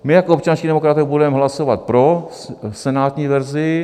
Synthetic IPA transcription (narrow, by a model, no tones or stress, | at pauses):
mɪjakoop̚t͡ʃanscidɛmokɾat̪ɛbudɛmɦlasovat̪̚pɾo | sɛnaːt̪ɲiːvɛɾzɪ